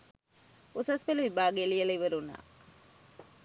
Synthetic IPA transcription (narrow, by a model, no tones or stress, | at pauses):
usɐspeluʋibaːɡelijɐlɐiʋɐɾuna̰ː